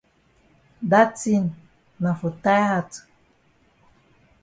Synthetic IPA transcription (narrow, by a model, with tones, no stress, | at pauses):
da˦ti˦n | na˨fu˨ta˦ja˦˨t